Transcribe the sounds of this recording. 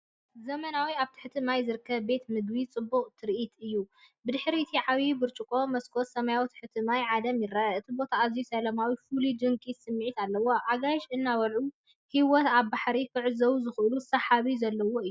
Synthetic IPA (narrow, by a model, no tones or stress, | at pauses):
zɐmɐnawiaβt̪ʰɨ̥ħɨt̪ʰɨmajzɨɾɨkʰːɐβbe̞t̪mɨɡβit͡sʼɨbːuqʼt̪ʰɨɾʔit̪ɨjːu | bɨd̪ɨħɾiɨt̪ʰiʕaβibɨɾt͡ʃʼɨkʼo̞mɐskʰot̪sɐmajawt̪ʰɨ̥ħɨt̪ʰɨmajʕad̪ɐmjɪraɨt̪ʰibo̞t̪ʰaːzjusɐlɐmawifulid̪ɨŋkʼisɨmːʕit̪alːɐwo̞ʔaɡajʃɨnːawɐlʕu | hiwɔt̪aβbaħɾifɨʕzɐwuzɨxʔɨlusɐħaβizɐlːɐwoɨjːuu